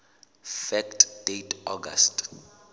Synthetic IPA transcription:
fɛktʰdejtʰɔɡa̰st

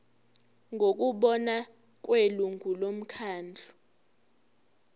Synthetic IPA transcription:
ŋʱok̬ʼuɓɔna | k̬ʼweluŋʱulom̩kʰaːnd͡ɮʱu

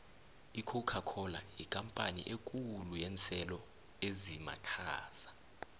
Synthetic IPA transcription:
ikʰokʰakʰɔla̰ikʼampʼanḭʔekʼulujɛnt͡sʰʼɛlɔ | ezima̰kʰaːz̥ḁ

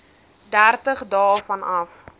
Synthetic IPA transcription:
dærtəχdɑːlfɐnɐf

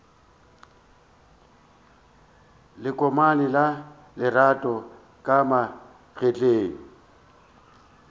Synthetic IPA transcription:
lɪkʼɔmanɪla | lɪratʼɔ | kʼama | ɣet͡ɬʼeːŋ̩

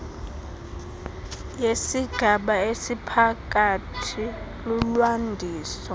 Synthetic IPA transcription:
jesiɡ̥ʱaɓaesipʰak̬ʼatʰi | lulwandʱiːsɔ

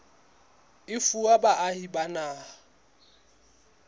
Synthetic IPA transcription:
ɪfuabaʔahibanaː

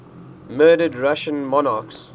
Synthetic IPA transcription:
mɜːdədɹaʃə̃nmɔnaːks

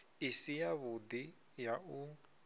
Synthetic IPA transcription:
ɪsijaβʊd̪i | jaʔu

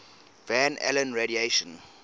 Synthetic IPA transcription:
væ̃nɛ̰lə̃nɹeɾieʃə̃n

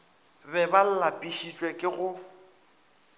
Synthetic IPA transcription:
bɛbal̩lapʼiʃit͡ʃʼwɛkʼɪɣʊ

